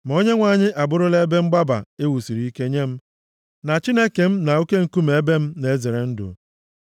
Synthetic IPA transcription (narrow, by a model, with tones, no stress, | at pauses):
m˨o˦ɲe˦ŋʷa˨ɲɪ˦ʔa˨bʊ˦ɾʊ˦le˦be˦ŋ͡m̩˦ɡ͡ba˦ba̰˨e˦wu˨si˨ɾi˨i˦ke˦ɲe˦m̩˦ | na˨t͡ʃi˦ne˦ke˨m̩˦na˨u˦ke˦ŋ̩˨ku˦m̩e˦be˦m̩˦ne˨˦ze˨ɾe˨n̩˦dʊ̰˨